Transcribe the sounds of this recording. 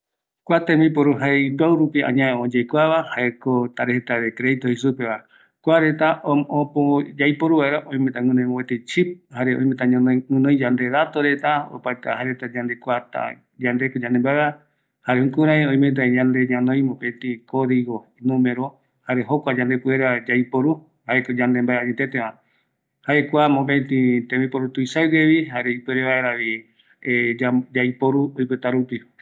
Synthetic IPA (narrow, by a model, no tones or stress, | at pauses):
kʷat̪ẽmĩpoɾuɦajbawɾupiã̰ɲãeõd͡ʒejkʷaβahaekot̪aɾehet̪aðekɾeðit̪ohisupeβa | kʷaɾe̞t̪aʔõpod͡ʒajpoɾuβaeɾaʔõĩj̃mẽt̪aŋɨ̃nõmõwet̪et͡ʃip̚haɾeõj̃mẽt̪aɲõnoŋɨ̃nõj̃d͡ʒand̪eðat̪oɾe̞t̪ao̰paet̪ahaɾet̪ad͡ʒand̪e̞kʷat̪a̰ | d͡ʒand̪ekod͡ʒãnd̪embaeβa | haɾehũŋkuɾaeõj̃mẽt̪aeɲand̪eɲãnõj̃mõpent̪ĩkoðiɣoinũmeɾo | haɾeɦokʷad͡ʒand̪epueɾad͡ʒaipoɾu | haekod͡ʒand̪embaeaɲet̪et̪eβã | haekʷamopent̪ĩt̪ẽmĩpoɾut̪uisawdeβiɦaɾeipeɾeβaeɾaβi | ed͡ʒad͡ʒaipoɾuojpɨt̪aɾupi